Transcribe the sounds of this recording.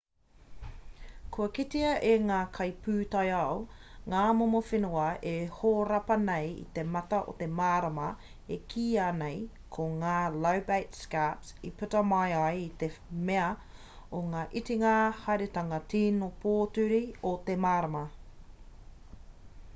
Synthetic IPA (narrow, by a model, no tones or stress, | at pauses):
kʰuɐkitiɐʔeŋaːkʰɐjpʉːtɐjɐwŋaːmomofenuɐehoːɾɐpɐnejḭt̪emɐt̪ɐʔo̰t̪emaːɾɐmɐ | ekʰiːaːnej | kʰoŋaːlɐwbejtskapsipʉtɐmɐjajit̪emeɐ | oŋaːʔitiŋahɐɾet̪ɐŋɐtʰiːnopʰoːtʉɾiot̪emaːɾɐmɐ